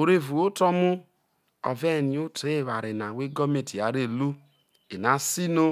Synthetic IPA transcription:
o˨ɾe˦vu˨o˦tɔ˦mu˦ | ɔ̰˨vɛ˦˨ni˨o˦tʰe˦˨βa˨ɾe˨na˨we˦ɡɔ˦me˨ti˨a˨ɾe˦lu˦ | e˨na˨si˦no˦

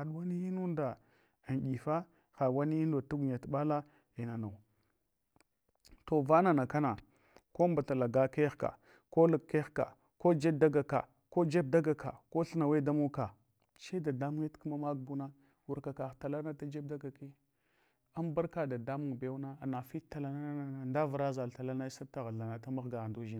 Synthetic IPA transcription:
a˨ɗu˨˦wa˦ni˦i˦nu˦nda˨ | nɗi˨fa˦ | xa˨wa˦ni˦i˦ndo˨tu˦ɡu˨ɲa˨tɓa˦la˦ | i˨na˨na˨w | to˨va˦na˨na˨ka˦na˨ | ko˦mba˨ta˨la˨ɡa˦ke˦xka̰˨ | ko˦lu˨kkːe˦xka̰˨ | ko˦d͡ʒe˦b̚da˦ɡa˨ka̰˨ | ko˦d͡ʒe˦b̚da˦ɡa˨ka̰˨ko˦ɬə˦na˨we˦da˦mu˦ka˨ | t͡ʃe˦da˨da˦mu˦ŋe˦tku˦ma˦ma˦ɡ̚bu˦na˦ | wu˨ɾka˨ka˨xta˨la˦na˦ta˦d͡ʒe˦b̚da˦ɡa˨ki˦ | a˦mba˦ɾka˨da˨da˦mu˨ŋbe˨˦u˦na˦a˨na˨fi˦ta˨la˦na˦a˦a˦a˨nda˦və˨ɾa˦za˨la˨la˦na˦sa˦ta˨ɣa˨ɬa˨na˨ta˦ma˦ɣɡa˨ɣa˨du˦ʒi˦a˨

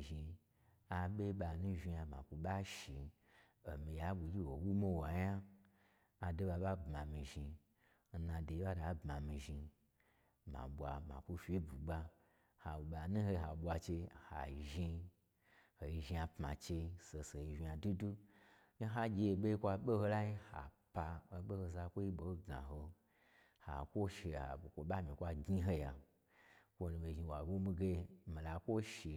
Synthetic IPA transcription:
ʒi˧ | a˨ɓe˦ɓa˨nũ˦ʒi˧ja˧ma̰˨kʷu˧ɓa˦ʃi˨ | o˨mĩ˨ja˦ɓu˨d͡ʒʲi˦wo˨wu˦mo˦wa˨ja˦ | a˨do˦ɓa˧ɓa˦bma˨mi˨ʒi˧ | n̩˦nã˧de˨i˦ɓa˦da˨˦bma˨mĩ˨ʒi˧ | mã̰˨ɓʷa˧ma̰˨kʷu˧fʲi˦bu˨ɡ͡ba˧ | ha˨ɓa˨nũ˦ho˧ɦa˨ɓʷa˧t͡ʃe˧˨ha̰˨ʒi˧ | ho˨i˧ʒi˧a˧pma̰˨t͡ʃe˧se˧se˨i˧ʒi˧ja˨du˦du˦ | ne˦ɦa˦d͡ʒʲe˧e˧ɓe˦i˦kʷa˧ɓe˦ho˧la˦i˦ha̰˨ | pa˧o˧ɓe˦ho˧za˧kʷo˦ji˦ɓo˨o˦ɡa̰˨ɦo˧ | ha̰˨kʷo˦ʃe˨ha̰˨o˨kʷo˨ɓa˦mĩ˨kʷa˧ɡɲi˦ɦo˧ja˨ | kʷo˧nu˧mi˨ʒi˧wa˨wo˦mi˦ɡe˧˦mi˨la˨kʷo˦ʃi˨

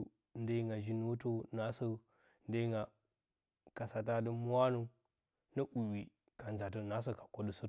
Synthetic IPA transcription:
n˦də˦i˦ŋɡa˨d͡ʒi˦no˦to˦na˨˦sə˦ | n˦də˦ŋɡa˨ | ka˨sa˨t̬a˦də˦m˦a˦nu˦ | nə˦ʔu˨wi˨ | ka˨nza˨tə˦na˦s̬ə˨ka˨ko˦də˦sə˦

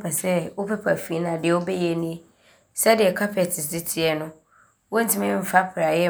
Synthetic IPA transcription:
pɛ˨sɛ˦wo˦pɛ˦pʰa˨fi˨˦nã˨dɪ˨ɛ˨wo˦bɛ˦jɛ˨nĩ˦e˦ | sɛ˦dɪ˨ɛ˨kʰa˦pʰɛ˨tʰɪ˨sdɪ˦tʰi˨˦ɛ˦nʊ̃˦ | wo˦n̩˦tʰɪ˦mɛ̃˦m̩˨fa˦pʰɾa˨jɛ˦

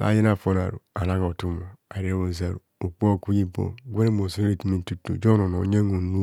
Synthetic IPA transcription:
la̰˨˦je˦na˨fo˦n˨a̰˨ɾṵ˨a˨na˦ko˨tu˦mo˨a˨ɾi˦wo˨za˨ɾṵ˨u˨k͡po˦˨ku˦ɲi˦bo̰˦ɡʷe˦ne˦mo˨so˦o˦i˨ti˨mi˦n̩˦tu˦tːṵ˨d͡ʒo˦no˨no̰˨ɲe˦ŋu˨nu˦

